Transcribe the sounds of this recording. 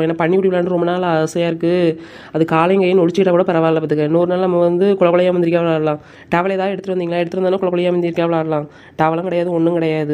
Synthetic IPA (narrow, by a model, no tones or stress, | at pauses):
ɛnːaːpɐɳːipʊɽiʋɪlaːɳɖɯɾɔmbɐnaːlɐɐɐsɐjaːɪɾɯkːɯ | ɐðɯkaːlɐŋɡɐjɪ̃nɔɻɯt͡ʃːɯkɪʈːɐpːoːɽɐpɐɾɐʋaːlɐpːɐt̪ːɯkːɐnuːɾɯnaːlnɐmːɐʋɐnd̪ɯkʊɭɐkːɔɭɐjaːmɐndɪɾɪkːaːʋɐɭaːɾɐlãː | ʈaːʋɐɭeːt̪ãːɛɽɯt̪ːʈɯʋɐndiːŋɡɐlaːɛɽɯt̪ːɯɾɯnd̪aːnaːkʊɭɐkːɔɭɐjaːmɐnd̪ɪɾkːaːʋɐɭaːɾɐlãː | ʈaːʋɐlɐ̃ŋkɪɽɐjaːðɯɔnːɯŋkɪɽɐjaːðɯ